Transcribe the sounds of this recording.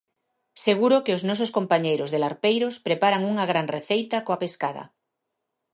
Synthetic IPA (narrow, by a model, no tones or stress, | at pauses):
seɣuɾokeoznɔs̬oskompaɲejɾozðelaɾpejɾospɾepaɾaŋuŋaɣ̞ɾaŋreθejt̪akoapeskað̞a̰